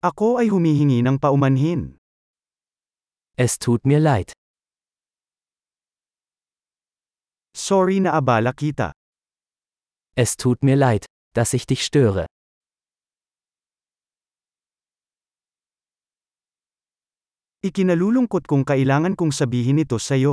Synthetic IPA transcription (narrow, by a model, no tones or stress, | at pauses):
ʔɐko̞ʔɐjɦʊmiːɦɪŋinɐŋpɐʔʊmɐnɦɪn | ʔɛstʰuːtmiːɐlaɪt | soɹinɐʔɐbaːlɐkit̪ɐ̰ | ʔɛstʰuːtmiːɐlaɪt | d̥asɪçd̥ɪçʃtøːʁə̰ | ʔɪkɪnɐluːlʊŋkot̪̚kʊŋkɐʔɪlaːŋɐnkʊŋsɐbiːɦɪnɪt̪o̞sɐjo̞